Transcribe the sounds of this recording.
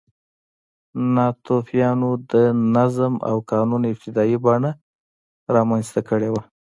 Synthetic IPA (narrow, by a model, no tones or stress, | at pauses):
nɑt̪ofjɑnod̪ənazma̰wkɑnunɪb̚t̪ɪd̪ɑjibɑɳa | ɾɑmanst̪akəɽewa